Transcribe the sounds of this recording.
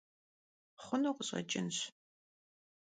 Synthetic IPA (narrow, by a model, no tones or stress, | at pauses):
χʷʊnoːqʷʊɕʼɐ̰t͡ʃʼɪnɕ